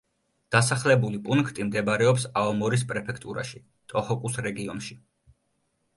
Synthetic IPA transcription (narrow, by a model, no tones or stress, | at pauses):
d̪̥asaχlɛbulipʼunkʰt̪ʼimd̪ɛbaɾɛɔpsaɔmɔɾis̬pʼɾɛpʰɛkʰt̪ʼuɾa̰ʃi | t̪ʼɔhɔkʼusɾɛɡiɔnʃi